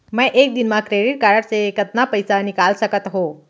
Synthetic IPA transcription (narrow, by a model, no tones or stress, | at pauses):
mə̃ʔek̚d̪inmãkɾeɖiʈ̚kaɾəʈsekət̪napəjsanikalsəkət̪ɦo